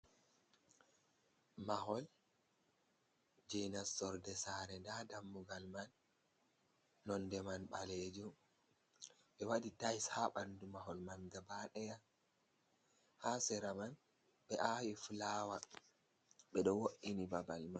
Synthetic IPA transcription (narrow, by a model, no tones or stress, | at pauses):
maɦɔl | d͡ʒɛnastɔɾdɛsaɾɛndadamːuɡalman | ɔndɛmanɓaled͡ʒu | ɓɛwaditajshaɓandumaɦɔlmanɡabaɗɛja | hasɛɾaman | ɓɛʔawifulaːwa | ɓɛɗɔwoʔinibabalman